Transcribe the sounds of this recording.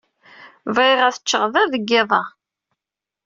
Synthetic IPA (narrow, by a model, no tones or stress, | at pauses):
vɾɪʁæθət͡ʃːəʁðæðəɡːɪðˤɑ